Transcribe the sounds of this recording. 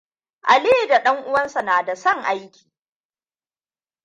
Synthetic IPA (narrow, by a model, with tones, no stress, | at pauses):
ʔa˨leː˦da˨ɗɐ˦ŋʔʊ˦wɐ˦nsa˨naː˨da˨sɐ˦˨ŋʔa˦jkʲi̥ː˨